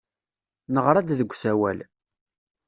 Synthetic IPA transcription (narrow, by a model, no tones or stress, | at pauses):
nəʁɾˤæd̪ðəɡʷːsæwæ̰l